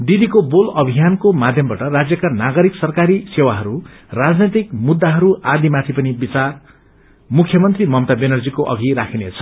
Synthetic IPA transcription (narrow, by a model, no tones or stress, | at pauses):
ɖ̪id̪ikobolʌbʱijankomad̪ʱjʌmbaʈʌrad͡zjʌkanaɡʌɾiksʌrkaɾisewaɦʌɾu | rad͡znet̪̬ikmud̪ːaɦʌɾuʔad̪imat̪ʰipʌnibit͡sar | mukʰːjʌmʌnt̪rimʌmt̪abenʌrd͡zikoʔʌ̰ɡʱiɾakʰinet͡sʰʌ̥